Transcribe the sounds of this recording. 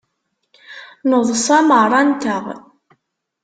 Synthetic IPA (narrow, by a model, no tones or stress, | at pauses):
noðˤsˤɑmərˤɑnt̪əʁ